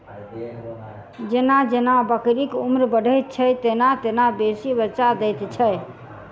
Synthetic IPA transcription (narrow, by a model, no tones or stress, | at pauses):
d͡ʒenad͡ʒenabəkɾikumɾbəɽʱəjt̪̚t͡ʃʰət̪enat̪enabesibəɾt͡ʃad̪ɛt̪t͡ʃʰəj